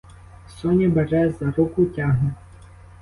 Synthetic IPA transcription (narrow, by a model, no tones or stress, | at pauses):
sɔnʲibɛʒɛzɐɾukʊtʲɑɦnʊ